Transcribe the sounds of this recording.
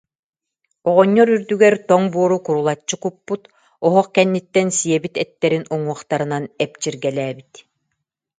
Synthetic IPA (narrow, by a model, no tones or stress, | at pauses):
ɔʁɔɲːɔɾyɾd̪yɡɛɾt̪ɔŋbuɔɾukuɾulˠat͡ɕːɯkupːut̪ | ɔɦɔχkɛnːit̪ːɛnsijɛbit̪ɛt̪ːɛɾinuŋuɔχt̪aɾɯnanɛp̚t͡ɕiɾɡɛlɛːbit̪